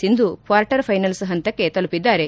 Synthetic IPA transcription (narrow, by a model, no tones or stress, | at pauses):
sind̪ukʋaːɾʈɐɾpʰɐjnɐlsɦɐnt̪ɐkːe̞t̪ɐlupid̪ːaːɾe̞